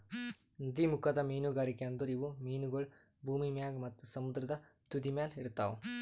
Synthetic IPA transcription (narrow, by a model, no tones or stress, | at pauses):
nd̪imukʰɐd̪ɐmiːnuɡaːɾikejɐnd̪uɾiʋumiːnuɡɐɭ | bʱuːmimjaːɡmɐt̪ːusɐmud̪ɾɐd̪ɐ | t̪ud̪imjaːliɾt̪ːa̰ːʋu